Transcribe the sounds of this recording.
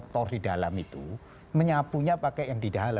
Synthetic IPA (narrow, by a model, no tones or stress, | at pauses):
k̚t̪ɔrdidalamit̪u | məɲapuɲapakɛʔjaŋdidala